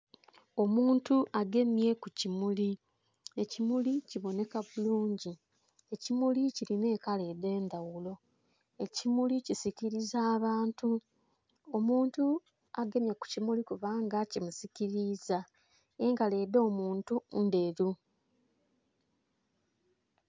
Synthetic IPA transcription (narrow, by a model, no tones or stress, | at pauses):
o̞muːntuʔaɡe̞mje̞kucimuli | ecimuliciβo̞ne̞kaβuluːɲɟi | e̞cimuliciline̞ːkale̞ːde̞ːndawulo̞ | e̞cimulicisiciɾizaːβaːntu | o̞muːntu | aɡe̞mjaku̥cimulikuβaːŋɡacimusiciɾiːza | eŋɡale̞ːdo̞ːmuːntunde̞ɾu